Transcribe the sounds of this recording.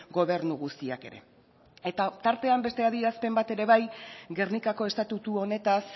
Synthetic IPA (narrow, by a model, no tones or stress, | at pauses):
ɡo̞β̞e̞ɾnuɣust̪ia̰ke̞̰ɾe̞̰ | e̞t̪at̪aɾt̪e̞ambe̞st̪e̞aðiɾaspe̞mbat̪e̞ɾe̞βajɡe̞rnikako̞e̞st̪at̪ut̪uo̞ne̞t̪as